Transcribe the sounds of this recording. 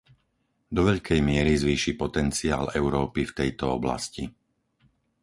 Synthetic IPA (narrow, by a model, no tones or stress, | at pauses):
d̪ɔʋɛʎkʰɛjmɪɛɾizʋiːʃipɔt̪ɛnt͡sia̰ːlɛʊɾɔːpift̪ɛjt̪ɔɔbla̰sci